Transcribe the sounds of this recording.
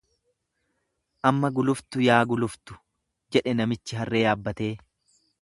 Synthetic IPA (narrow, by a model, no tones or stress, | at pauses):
ʔɐmːɐɡʊlʊft̪ʊjaːɡʊlʊft̪ʊ̥ | d͡ʒɛᶑɛnɐmɪt͡ʃːɪɦɐrːe̞ːjaːbːɐt̪e̞ː